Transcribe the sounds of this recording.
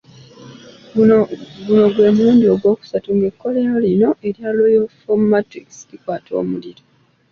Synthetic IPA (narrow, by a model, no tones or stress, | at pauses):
ɡuno̞ɡwe̞ːmuːndio̞ɡwo̞ːku̥satuŋɡe̞kːo̞leɾaolino̞ʔe̞ɾjaloifommatikslikwaːtʰo̞̰ːmuliɾo